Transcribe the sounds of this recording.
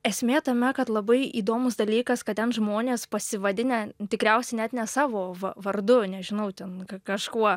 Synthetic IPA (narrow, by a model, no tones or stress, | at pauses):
ɛsʲmʲeːt̪ɐmʲɛkɐt̪lˠɐbɐɪḭːd̪oːmʊsd̪ɐlʲiːkɐskɐt̪t̪ʲɛnʒmoːnʲeːspɐsʲɪʋɐd̪ʲɪnʲɛt̪ʲɪkɾʲɛʊsʲɛɪnʲɛt̪nʲɛsɑːʋoːʋɐʋɐɾd̪ʊnʲɛʒʲɪnɐʊtʲɛnkɐkɐʃkuɔ